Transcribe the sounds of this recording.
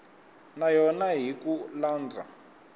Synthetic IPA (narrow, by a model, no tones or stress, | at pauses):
najɔnaɦikulaːnd͡zʱa̰